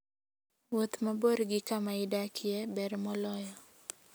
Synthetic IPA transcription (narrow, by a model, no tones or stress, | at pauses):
wot̪maboɾɡɪkamaɪdakʰɪjɛbɛɾmɔlɔjɔ